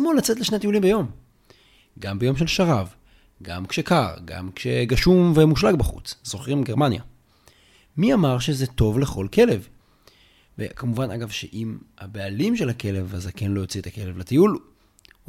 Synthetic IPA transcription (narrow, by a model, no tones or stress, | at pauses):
molat͡set̪leʃneat̪iulimbejo̞m | ɡambejo̞mʃe̞lʃaʁav | ɡa̰mkʃekaʁɡa̰mkʃeɡaʃumvemuʃlaɡbaχṵt͡sz̥o̞χʁimɡeʁmanja̰ | miamaʁʃezet̪o̞vle̞χo̞lkʰe̞le̞v | vḛkʰamuvanʔa̰ɡavʃḛʔimhabealimʃe̞lake̞le̞vazake̞nlo̞jot͡siet̪ake̞levlat̪ijul